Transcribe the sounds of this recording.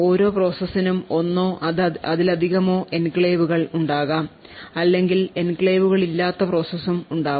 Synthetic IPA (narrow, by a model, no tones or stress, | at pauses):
o̞ːɾo̞ːpro̞ːsɐsinumo̞nːo̞ːʔɐðilɐd̪ʱiɣɐmo̞ːʔe̞nkɭeːʋuɣɐɭuɳɖaːɣaːm | ɐlːe̞ŋɡile̞nkɭeːʋuɣɐɭilːaːt̪ːɐpro̞ːsɐsumuɳɖaː